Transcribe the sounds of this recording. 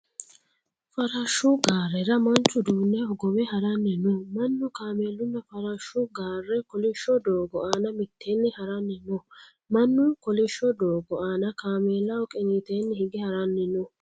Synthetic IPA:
fɐɾɐʃːʊɡaːrːɛɾɐmɐnt͡ʃːʊd̪uːnːɛɔɡɔmɛhɐɾɐnːɪnɔmɐnːʊkaːmeːlːʊnːɐfɐɾɐʃːʊɡaːrːɛkɔlɪʃːɔd̪oːɡɔʔaːnɐmɪt̪ʰːeːnːɪhɐɾɐnːɪnɔ | mɐnːʊkɔlɪʃːɔd̪oːɡɔʔaːnɐkaːmeːlːɐɔkʼɛŋit̪eːnːɪhɪɡɪhɐɾɐnːɪnɔ

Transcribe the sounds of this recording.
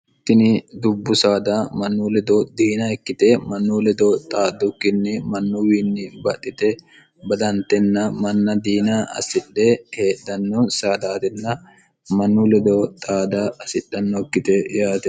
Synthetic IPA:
t̪ːɪnɪd̪ʊbːʊsaːd̪ɐmɐnːulɛd̪ɔd̪iːnɐɛkːɪt̪ɛmɐnːuːlɛd̪ɔt̪ʼaːd̪ɔkːɪnːɛmɐnːʊwiːnːɪbɐtːɪt̪ɛ | bɐd̪ɐnt̪ɛnːɐmɐnːɐd̪iːnaʔɐ̰sɪɗːɛheːdːɐnːɔsaːd̪aːt̪ɛnːɐ | mɐnːulɛd̪ot̪ʼaːd̪ɐɐsɪɗːɐnːɔkːɪt̪ɛjaːt̪ɛ

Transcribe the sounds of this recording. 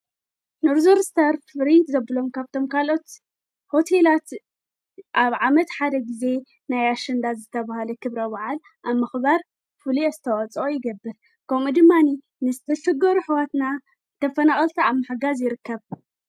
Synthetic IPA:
noɾzoɾst̪ʰɐɾfɾint̪zɐbɨlo̞mkʰaβt̪ʰo̞mkʰalo̞t̪ | ho̞t̪ʰelat̪ | ʔaβʕamɐt̪ħad̪ɐɡize̞ | najaʃɐnd̪azɨt̪ʰɐβahalɐkʰɨβɾɐbaʕal | ʔaβmːɨxbaɾ | fuliazɨt̪ʰɐwɐt͡sʼojɪɡɐbːɨl | kʰɐmud̪ɨmːani | nɨzɨt̪ʰɐʃɨɡɐɾuħɨwat̪na | t̪ʰɐfɐnaxʼɐlt̪ʰiaβmaħaɡazjɪɾɨkʰːɐβ

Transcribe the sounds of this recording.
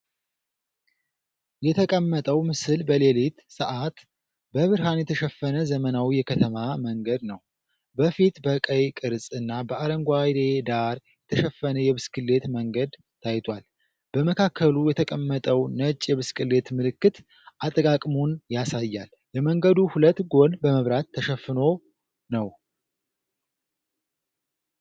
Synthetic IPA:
jɛt̪ʰəkʼəmːət̪ʼəwmɨsɨlbəle̞lit̪səʔat̪ | bəβɨɾɦanjɛt̪ʰəʃɛfːənəzəmənawijɛkʰət̪ʰəmaməŋɡəd̪nəw | bəfit̪bəkʼəjkʼɨɾsʼɨnːabəaɾəŋɡʷajd̪ed̪aɾjɛt̪ʰəʃɛfːənəjɛβɨskʰɨlːe̞t̪məŋɡəd̪ | t̪ʰajt̪ʰwal | b̥əməkʰakʰːəlujɛt̪ʰəkʼəmːət̪ʼəwnət͡ʃʼːjɛβɨskɨlːe̞t̪mɨlɨkːɨt̪ | ʔat̪ʼəkʼakʼmunjasajːal | jɛməŋɡəd̪uhulət̪ːɡo̞nbəməβɾat̪ʰːəʃɛfːɨno̞ | nəw

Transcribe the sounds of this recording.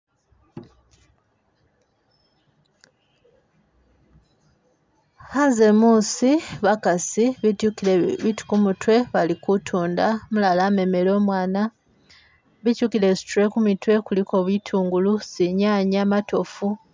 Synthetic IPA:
haːnze̞muːsiβakasiβiukileβitu̥kumutwe̞βalikutʰuːndamulalaːme̞me̞lo̞ːmwaːna | βicuːkile̞su̥tuɾe̞kumitwe̞kuliko̞ːβwitʰuːŋɡulusiɲaːɲamato̞fu

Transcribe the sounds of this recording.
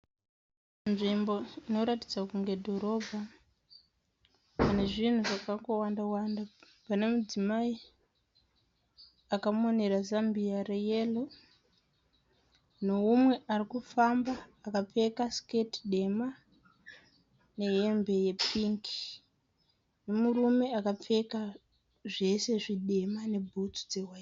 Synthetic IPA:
nʐimbo̞ino̞ɾatid͡zakuŋɡe̞dʱo̞ɾo̞bʱa | pane̞ʐin̤uʐakaŋɡo̞wandawanda | pane̞mud͡zimai | akamone̞ɾazambiarejelo | no̞umwe̞arikufambaːkap͡fe̞kasketɗe̞ma | ne̞ɦembe̞je̞pʰiŋki̥ | ne̞murume̞akap͡fe̞ka | ʐe̞se̞ʐiɗe̞mane̞bʱutu̥d͡ze̞wai

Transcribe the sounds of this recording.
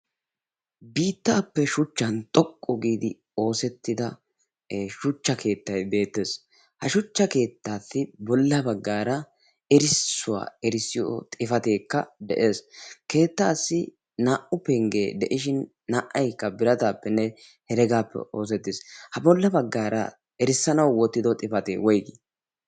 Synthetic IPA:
biːt̪ːaːpːɛʃʊt͡ʃːɐnt̪ʼɔkʼːɔɡiːd̪ɪ | o̞ːsɛt̪ːɪd̪ɐ | ʃʊt͡ʃːɐkʰe̞ːt̪ːɐjbe̞ːt̪ːe̞s | hɐʃʊt͡ʃːɐke̞ːt̪ːaːtːɪbɔlːɐbɐɡːaːɾɐ | ɛɾɪssːʊwa̰ːɛɾɪsːɪjo̰t̪ʼɪfɐt̪e̞ːkːɐ̰d̪ɛʔe̞ːske̞ːt̪ːaːsːɪ | naːʔʊpɛŋɡeːd̪ɛʔɪʃɪnː | ɐʔɐjkːɐbɪɾɐt̪aːpːɛnːɛ | hɛɾɛɡaːpːɛ̰o̞ːs̬ɛt̪ːɪshɐbɔlːɐbɐɡːaːɾɐ̰ | ɛɾɪsːɐnɐwwɔt̪ːɪd̪ɔt̪ʼɪfɐt̪ḛːwɔjɡi

